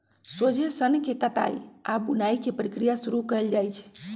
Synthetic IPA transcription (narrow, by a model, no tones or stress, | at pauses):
sod͡ʒʱesənkekət̪a̰jabunajkepɾikɾijasuɾukəeld͡ʒajt͡ʃʰ